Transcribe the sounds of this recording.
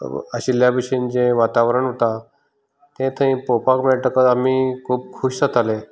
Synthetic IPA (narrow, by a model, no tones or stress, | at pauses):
ə̰ɕiljabəɕind͡ʑẽʋat̪aʋɾəɳɦot̪a | t̪ẽt̪ʰə̃ĩpopakmeɭʈəkət̪amiːkʰuːp̚kʰuɕsat̪ʰale